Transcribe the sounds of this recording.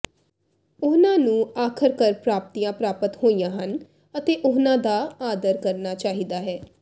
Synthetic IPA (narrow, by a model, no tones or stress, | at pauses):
ʊnãːnũːaːkʰəɾkəɾpɾaːp̚t̪iːjãːpɾaːpət̪hoːijãːɦən | ət̪eːʔʊɦnãːd̪aːaːd̪əɾkəɾnaːt͡ʃaːɦiːd̪aːɦɛː